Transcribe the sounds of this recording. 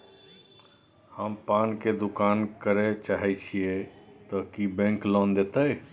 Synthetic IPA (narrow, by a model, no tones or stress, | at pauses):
həmpanked̪ukankəɾet͡ʃaɦɛt͡ʃʰijet̪ɔkibɛ̃ŋklɔnd̪et̪ə